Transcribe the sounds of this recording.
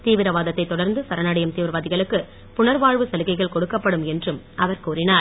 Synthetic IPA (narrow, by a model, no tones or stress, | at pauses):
t̪iːʋɪɾɐʋaːðɐt̪ːɐɪt̪ːɔɽɐɾnd̪ɯsɐɾɐnɐɽɐjɐmt̪iːʋɪɾʋaːðɪɣɐɭɯkːɯ | pʊɳɐɾʋaːɻʋɯsɐlɯɣɐɪɣɐɭkɔɽɯkːɐpːɐɽɯmɛndrɯm | ɐʋɐɾkuːrɪnaːɾ